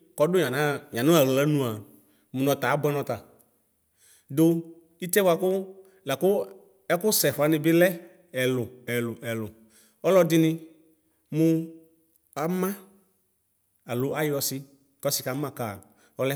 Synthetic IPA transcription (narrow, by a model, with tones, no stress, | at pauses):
kɔ˧dʊ˦ɲa˨na˦ɲã˨nʊ̃˦a˨ɾe˨la˨˦nũ˦a˨ | mʊ˨nɔ̃˨˧ta˨a˦bʊ˦ɛ˦nɔ̃˧ta˨ | dʊ˦ | i˦tɛ˦bwa˧kʊ˦ | la˨kʊ˦ | ɛ˦kʊ˦sɛ˨fa˨˦nɪ˧bɪ˦lɛ˦ | ɛ˨lʊ˨ɛ˨lʊ˨ʔɛ˨lʊ˨ | ɔ˦lɔ˧dɪ˧nɪ˧ | mʊ˧ | a˨mã˦ | a˨lʊ˨ʔa˦jɔ˧sɪ˧ | kɔ˦sɪ˨˦ka˨˦mã˦˨ka˨ | ɔ˨˦lɛ˦